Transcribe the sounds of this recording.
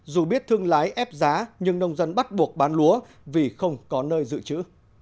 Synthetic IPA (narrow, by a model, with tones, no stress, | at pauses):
zu˨˩ɓi˦˥ət̚t̪ʰɨ˧əŋlaː˨˦jʔɛ˦˥p̚zaː˨˦ɲɨ˧ŋnə˧wŋ͡mzə˧nɓa˦˥t̚ɓu˨˩ək̚ɓaː˨˦nlu˨˦ə | vi˨˩xə˧wŋ͡mkɔ˨˦nəː˧jzɨ̰˧˨t͡ɕɨ̰˧˥